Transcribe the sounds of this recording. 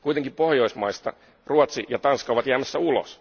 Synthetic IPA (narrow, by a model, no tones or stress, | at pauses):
kuit̪eŋkipo̞hjo̞ismɑist̪ɑ̰ | ruɑt̪sijɑt̪ɑnskɑoʋɑt̪jæːmæsːæulo̰s